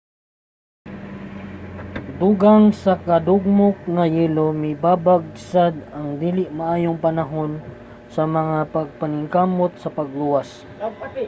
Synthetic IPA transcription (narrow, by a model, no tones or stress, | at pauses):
d̪uɡaŋsɐkɐd̪ʊɡ̚mok̚ŋɐjɛːlomɪbaːbaɡ̚sad̪ɐŋd̪iːlɪʔmɐʔaːjoŋpɐnɐɦo̞n | sɐmɐŋapɐɡ̚pɐnɪŋkamot̪̚sɐpɐɡ̚luwas